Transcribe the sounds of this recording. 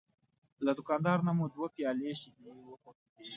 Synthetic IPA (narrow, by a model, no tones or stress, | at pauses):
lad̪ʊkɑːnd̪ɑɾnamud̪wapjɑːleʃide